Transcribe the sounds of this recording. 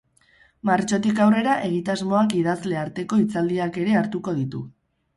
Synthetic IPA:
maɾt͡ʃo̞t̪ikawre̞ɾaʔe̞ɣ̞it̪azmo̞akiðazle̞aɾt̪e̞ko̞it͡sald̪iake̞ɾe̞aɾt̪uko̞ð̞it̪u

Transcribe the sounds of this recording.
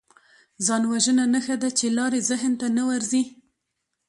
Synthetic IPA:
zɑnwaʒənanəxad̪at͡ʃelɑɾezɪɦnt̪anawaɾzi

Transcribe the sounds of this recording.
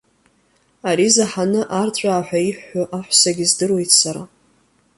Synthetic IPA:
aɾizaħanɨʔartʷʼaːħʷᶣaiħːaʔaħʷsaɡʲɪzdɨrwe̞jtʰsaɾa

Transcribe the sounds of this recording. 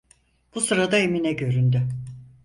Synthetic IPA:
b̥usɯɾad̪aeminɛɟø̞ɾynd̪y

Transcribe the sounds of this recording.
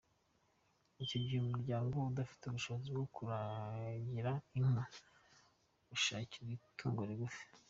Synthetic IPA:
icoɟihemuɾɟaːŋɡo̞udafi̥teuβuʃo̞βozibɡokʰuɾaɟiɾaima | uʃaːciɾikʰaŋɡoɾiɡufe̥

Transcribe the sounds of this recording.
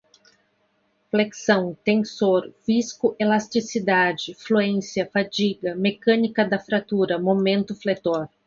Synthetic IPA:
fleksɐ̃w̃t̪ẽnsoɾviskʊʔelast͡ʃisid̪ad͡ʒɪfluẽsiɐfad͡ʒiɡɐmekɐ̃nikɐd̪ɐfɾat̪uɾɐmomẽnt̪ʊflet̪oɾ

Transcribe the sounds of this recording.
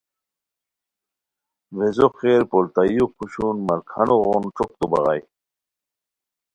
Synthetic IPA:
vezoqeːɾpolt̪ajukʰuɕunmɐɾkʰɐnoʁonʈ͡ʂok̚t̪ubɐ̰ʁɑj

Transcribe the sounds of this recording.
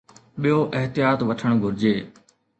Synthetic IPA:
ɓijoʔɪɦt̪ɪjaːt̪ʋɐʈʰəɽ̃ɡʱʊɾɪd͡ʑeː

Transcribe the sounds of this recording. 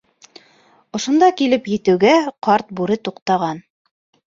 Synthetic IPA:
ŏʃŏnd̪ɑkilɘpjɘ̆t̪ɘ̆wɡæqɑɾt̪̚buɾɘt̪uqt̪ɑʁɑn

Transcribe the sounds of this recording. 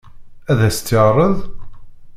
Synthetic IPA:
æðæst̪ːəʁrˤəðˤ

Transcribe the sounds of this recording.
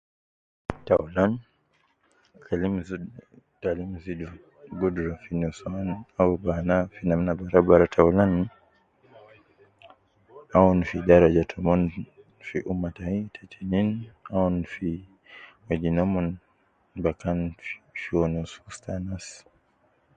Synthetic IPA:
taulan | kalimz | talimzidu | ɡɔdɾafinusanaubanafinamnabaɾabaɾatʰaulan | aunfidaɾad͡ʒatʰɔmɔn | fiʔumataitʰɛtʰininaunfi | wɛd͡ʒinɔmɔn | bakanfʃiɔnusustanas

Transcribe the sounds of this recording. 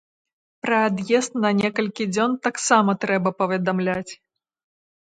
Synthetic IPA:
pɾɐad̪jɛst̪nɐnʲɛkɐlʲkʲid͡zʲɔnt̪aksamɐt̪ɾɛbɐpɐvʲɛd̪amlʲat͡sʲ

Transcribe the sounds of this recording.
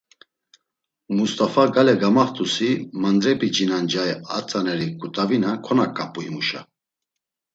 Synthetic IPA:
must̪ʼafaɡalɛɡamaχt̪ʼusimand̪ɾɛpʼid͡ʒinand͡ʒaɛa̰t͡sʼanɛɾikʼut̪ʼavinakʰɔnakʼapʼuhimuʃa̰

